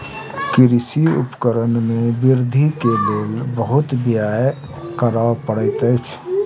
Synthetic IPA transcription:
kɪɾisiʊ̰pkəɾənmẽbɪɾd̪ʱikeleːlbəɦʊt̪bjaj | kəɾəpəɽət̪əɪt͡ʃʰ

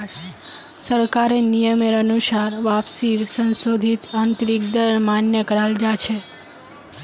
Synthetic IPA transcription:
səɾkaɾenijəmeɾənusaɾʋapsid̪sə̃nsod̪ʱit̪ant̪ɾik̚d̪əɾmanjəkəɾald͡ʒat͡ʃʰe

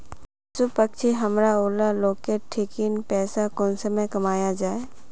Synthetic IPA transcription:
sʊpək̚t͡ʃʰiɦɐmɾaoːlaloːkeʈʰːɪkinpɛːsakɔːnsəməkɐmaːjad͡ʒaːe

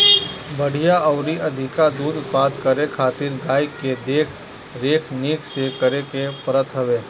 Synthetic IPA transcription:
bɐɽ̤ijaɐʊɾiʔɐd̪ʱɪkad̪uːɾʊt̪paːd̪kəɾekʰaːt̪ɪɾɡ̪aːɪkːed̪eːkʰ | ɾeːkʰniːksekəɾekepɾət̪ʰɦɐʋeː

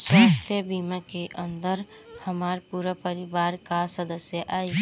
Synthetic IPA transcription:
səst̪ʰebiməkeʔənd̪əɾ | həmaɾpuɾəpəɾibaːɾkasəd̪əsjəʔai

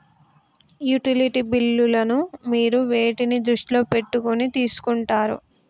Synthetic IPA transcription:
juʈiliʈibilːulɐnumiːɾuʋe̞ːʈinid̪ɾuʂʈilo̞ːpe̞ʈːukonit̪iːsu̥kuɳʈaːɾṵ

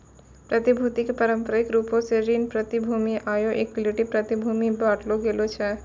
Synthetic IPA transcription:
pɾət̪ibʱut̪ikepəɾəmpɾəɪkɾupõseɾinpɾət̪ibʱumiʔajoʔekliʈipɾət̪ibʱumibaʈloɡelot͡ʃʰɛ

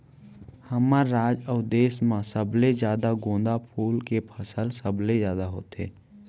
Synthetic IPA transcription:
həmaɾɾaːd͡ʒəʊd̪eːsmãsəblezjaːd̪aɡõːnd̪apʰuːlkepʰəsəlsəblezjaːd̪aɦo̰ːt̪ḛː

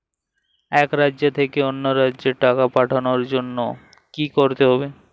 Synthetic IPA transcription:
ɛkɾadʑet̪ʰekeonːoɾadd͡ʑeɾʈakapaʈʰanoɾd͡ʑonːo | kikoɾt̪eɦɔbe

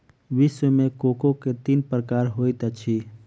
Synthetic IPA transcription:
ʋɪʃwəmẽkoːkõket̪iːnpɾəkaːɾɦoːit̪ət͡ʃʰi

